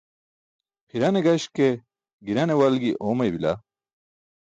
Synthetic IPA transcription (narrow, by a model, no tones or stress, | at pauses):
pʰiɾɐneɡɐɕke | ɡiɾɐnewɐlɡiʔoːmɐjbila̰